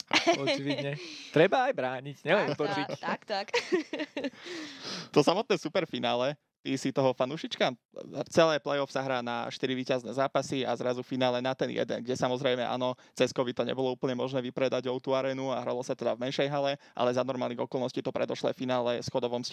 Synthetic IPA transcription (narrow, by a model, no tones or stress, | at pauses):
ɔt͡ʃiʋiɲɛt̪ɾɛbaːjbɾaːɲicɲɛt̪ɔt͡ʃit̪kt̪ak | t̪ɔsamɔt̪nɛːsupɛɾfinaːlɛ | t̪isit̪ɔɦɔfanuːʃit͡ʃka | t͡sɛlɛːplɛjɔfsaɦɾaːna̰ʃt̪iɾiʋiːcaznɛ̰ːzaːpasia̰zɾazufinaːlɛnat̪ɛnjɛ̰d̪ɛ̰nɡɟɛsamɔzɾɛɪmɛʔa̰ːnɔ | t͡sɛskɔbit̪ɔɲɛ̰bɔlɔuːpl̩ɲɛmɔʒnɛːʋipɾɛd̪aɟɔʊt̪uaɾɛːnuaɦɾa̰lɔsat̪ɛd̪avmɛnʃɛjɦalɛʔa̰lɛzanɔɾmaːlniɣɔkɔlˠnɔsciːt̪ɔpɾɛ̰d̪ɔʃlɛ̰ːfinaːlɛsxɔd̪ɔʋɔms